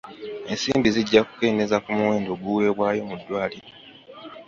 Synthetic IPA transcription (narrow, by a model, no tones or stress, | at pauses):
e̞nsiːmbiziɟːaku̥ke̞ːne̞zakumuwe̞ːndo̞ːɡuwe̞ːβwaːjo̞mudːwaːliɾo